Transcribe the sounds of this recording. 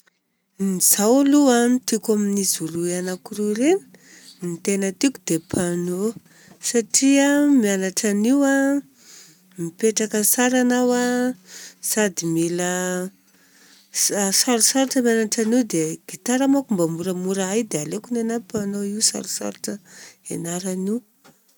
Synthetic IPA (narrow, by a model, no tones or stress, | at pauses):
niz̥awluant̪ikaminizuluianakuɾuɾeni̥ | nit̪enət̪iku̥d̪epʰano | saʈ͡ʂiamianaʈ͡ʂaniwa | mipeʈ͡ʂakəsaɾanawa | z̥ad̪imilə | saɾusaɾuʈ͡ʂəmianaʈ͡ʂaniwd̪eɡ̥it̪aɾamakumbamuɾəmuɾaajd̪ealekunenapanoiwsa̰ɾusa̰ɾuʈ͡ʂəenaɾani